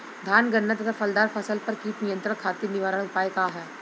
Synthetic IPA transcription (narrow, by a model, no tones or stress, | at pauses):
d̪ʱaːnɡənːət̪ɐt̪ʰafɐld̪aːɾfʰɐsəlpɐɾkiːt̪nijə̃nt̪ɾə̃kʰaːt̪inɪʋaːɾəɽ̃ʊpaːekaːɦɛː